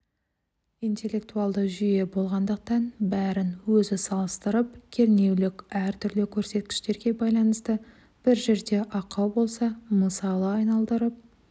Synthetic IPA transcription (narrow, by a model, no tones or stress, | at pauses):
ijnt̪e̞lʲːe̞k̚t̪uɑlˠd̪əʒʏje̞bo̞lˠʁɑnd̪əq̚t̪ɑnbæɾɪnwɵzɪsɑlˠəst̪əɾəp̚kʲʰe̞ɾne̞wlɪkʲæɾt̪ʰʏɾlɪkʲʰɵɾse̞t̪̚kʲɪ̥ʃt̪e̞ɾɡʲe̞bɑjlˠɑnəst̪ə | b̥ɪɾʒe̞ɾd̪e̞ʔɑqɑwbo̞lˠsɑməsɑlˠəɑjnɑlˠd̪əɾəp̚